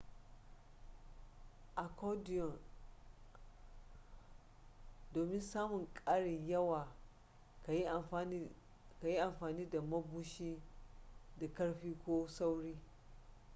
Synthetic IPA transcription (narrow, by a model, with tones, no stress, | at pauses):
ʔa˨kɔ˦di˨jɔ˨n | doː˨mɪ˦nsaː˦mʊ˨ŋkʼaː˦ɽɪ˨ɲjɐ˦waː˨˦˨ | ka˨ji˦ʔa˨mɸaː˨niː˦da˨mɐ˦bu˦ʃiː˦ | da˨kɐ˦ɽɸiː˦kʷoː˦sa˦wɽiː˦